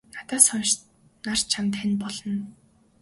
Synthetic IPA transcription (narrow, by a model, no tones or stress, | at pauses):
nat̪aːsɔnʃ | nar̥t͡ɕʰamt̪enpɔɮɞ̆n